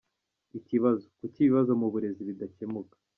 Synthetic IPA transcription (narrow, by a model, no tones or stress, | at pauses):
iciβazo̞kuciβiβazo̞muβuɾe̞ziβidace̞mukḁ